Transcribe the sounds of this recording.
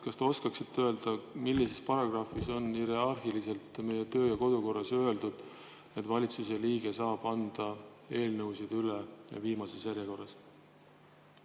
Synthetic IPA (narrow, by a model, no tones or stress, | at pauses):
kɑst̪eo̞skɑksit̪ːø̞ld̪̥ɑmilːise̞spɑɾɑɡ̥rɑːfiso̞niɾeɑrxilise̞lt̪ːˑme̞je̞t̪ø̞ːjɑko̞d̪̥uko̞rːɑsø̞e̞ld̪ud̪̥ | et̪ːˑvɑlʲit̪suse̞liːɡ̥e̞sɑːb̥ɑnd̪̥ɑ | e̞ːlnɤwsid̪̥ylḛviːmɑse̞sjæɾjɑko̞rːɑs